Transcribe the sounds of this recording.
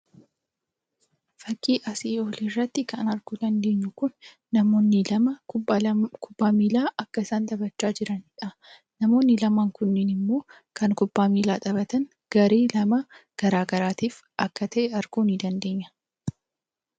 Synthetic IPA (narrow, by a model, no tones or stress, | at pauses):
fɐkʼːiːʔɐsiːoːlirːɐt̪ːɪkɐnɐɾɡuːd̪ɐnd̪e̞ːɲːʊkʊnː | ɐmo̞ːnːɪlɐmɐbːkʰʊb̥ːaːmiːlaːʔɐkːɐɪsaːnd̪ɐbɐt͡ʃːaːd͡ʒɪɾɐnɪᶑɐ | nɐmo̞ːnːɪlɐmaːŋkʊnːɪnɪmːo̞ː | kɐŋkʊbːaːmiːlaːᶑ̪ɐbɐt̪ɐn | ɡ̥ɐɾeːlɐmɐɡ̥ɐɾaːɡɐɾaːt̪iːf | ʔɐkːɐt̪ʰɐʔɛɐɾɡuːnɪd̪ɐnd̪e̞ːɲːɐ̥